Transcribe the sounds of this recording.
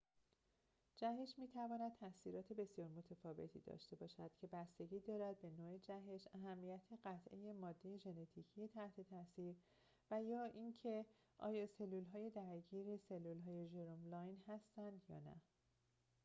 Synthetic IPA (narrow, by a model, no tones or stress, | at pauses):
d͡ʒæɦeʃmiːt̪ʰævɒːnæd̪̚t̪ʰæsiːɾɒːt̪ʰe̞be̞sijɒːɾmo̞t̪ʰefɒːve̞̰t̪ʰḭːd̪ɒ̰ːʃt̪e̞bɒːʃæd̪̥cʰe̞bæst̪e̞ɡiːd̪ɒːɾæd̪̚be̞noːed͡ʒæɦe̞ʃæɦæmːijæt̪ʰeɢæt̪ʰʔe̞̰je̞mɒːd̪ːeje̞ʒe̞net̪ʰiːcʰije̞t̪ʰæht̪ʰe̞t̪ʰæsiːɾ | væjɒːʔincʰe | ʔɒ̰ːjɒːse̞lːuːlɦɒːje̞d̪æɾɟiːɾese̞lːuːlɦɒːje̞ʒeɾomlɒːjnhæst̪ænd̪jɒ̰ːnæ̰